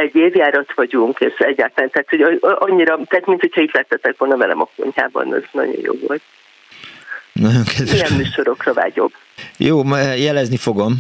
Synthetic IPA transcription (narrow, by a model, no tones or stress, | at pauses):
ɛɟːeːvjaːɾɒt̪ʋɒɟuŋkeːʃɛɟːaːt̪laːnt̪ɛaːt̪ho̞ɟʔɒɲːiɾɒt̪ɛɦːt̪mint̪ho̞chɒiːt̪lɛt̪ːɛt̪ːɛkʋo̞lnɒvɛlɛ̰mɒko̞̰ɲha̰ːbɒ̰nɒ̰znɒ̰ɟo̞̰jjʔo̰ːvo̞̰lt̪̚ | nɒɟo̞ŋkʰɛd̪ijɛmmyːʃo̞ɾo̞krɒva̰ːɟo̞̰b | joːjɛlɛznifo̞ɡo̞m